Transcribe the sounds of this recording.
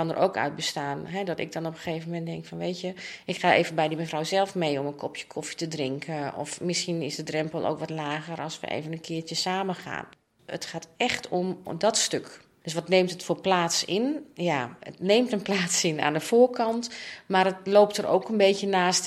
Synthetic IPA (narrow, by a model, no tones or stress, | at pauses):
kɑnə̰rʔo̰wkœ̰ɥd̚bəstaːnɦɛdɔtɪ̰ɡ̚dɔnɔpəxeːvəmɛnddɛŋkfɔnʋeːtəʔɪkxaːʔeːvənbɛjdəməfrawzɛlˠfmejɔmənkʰɔpjə̥kʰɔfi̥tədrɪŋkʰəɔ̰fmɪsxinɪsdədrɛmpəlˠʔo̰ːkʋɔtlaːɣərʔɑlˠsʋə̰ʔḛːvənənkʰɪːtəsaːməxa̰ːn | ə̰txaːtɛxtɔmdɔtstøk | d̥øs̬ʋɔtneːmtətfoːplaːtsɪnjaə̰tneːmtənplaːtsɪna̰ːndəfoːɹkʰɑntmarətloːptəɾʔo̰wkənbeːcənaːst